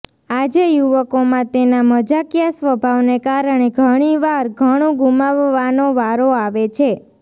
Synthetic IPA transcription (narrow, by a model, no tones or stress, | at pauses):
ad͡ʒejuʋəkomãt̪enaməd͡ʒakjasʋəbʱaʋnekaɾəɳ̃eɡʱəɽ̃iʋaɾɡʱəɽ̃õɡumaʋːanoʋaɾoaʋet͡ʃʰe